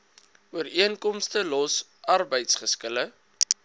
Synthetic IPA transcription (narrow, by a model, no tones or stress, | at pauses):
uəriənkɔmstəlɔs | ɐrbəjtsχəskələ